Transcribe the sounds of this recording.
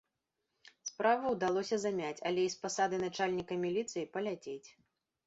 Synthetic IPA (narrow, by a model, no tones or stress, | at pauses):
spɾavɨwd̪alˠɔsʲɐzamʲat͡sʲɐ̰lʲɛispasad̪ɨnat͡ʂalʲnʲikɐmʲilʲit̪sɨjipɐlʲat͡sʲet͡sʲ